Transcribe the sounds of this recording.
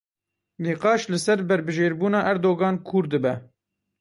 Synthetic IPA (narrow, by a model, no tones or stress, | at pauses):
niːqɑːʃlɨsɛɾbɛɾbɨʒeːɾbuːnɑːʔæɾd̪oːɡɑːnkʰuɾd̪ɨbɛ